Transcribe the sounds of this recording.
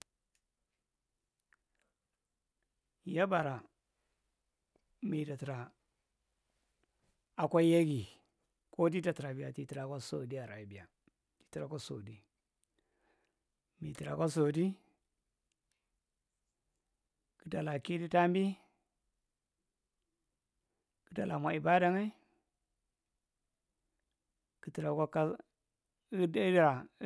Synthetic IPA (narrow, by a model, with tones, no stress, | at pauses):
ja˦ba˨ɾa˨ | mi˨da˨ti˨ɾa˨ | a˨kʷa˦ja˦ɡi˨ | kʰo˦di˦da˨ti˨ɾa˨bi˨ja˨ti˨ti˨ɾa˨ko˦so̰˨di˦a˨ɾa˨i˨bi˨ja˨ | ti̥˨ti˨ɾa˨ko˦so̰˨di˦ | mi˨ti˨ɾa˨ka˦s̬o˨di˦ | ki˦da˨la˨ki˦di˦ta˦mbi˦ | ki˦da˨la˨mʷ˨a˨i˨ba˦da˨ŋa˦ | ki˨ti˨ɾa˨kʷa˦ka˦ | da˨˦